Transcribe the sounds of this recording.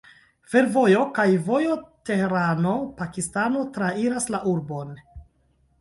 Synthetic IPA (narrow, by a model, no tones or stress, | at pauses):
fe̞ɾvo̞jo̞kajvo̞jote̞heɾano̞pakistano̞tɾaiɾaslaʔuɾbo̞n